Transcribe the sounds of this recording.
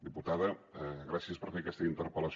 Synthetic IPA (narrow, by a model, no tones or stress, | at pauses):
d̪iput̪aðəɣɾasiəspəɾfekɛst̪əint̪əɾpələs